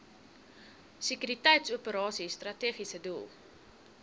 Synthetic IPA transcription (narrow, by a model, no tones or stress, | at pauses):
sekyɾitɛjtsuəpəɾɑːsistrɐteːχisədulˠ